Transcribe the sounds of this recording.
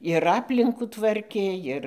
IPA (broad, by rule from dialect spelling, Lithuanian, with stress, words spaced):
ɪr ˈɑːpʲlʲɪŋkuː ˈtʋɐrʲkʲeː ˈɪr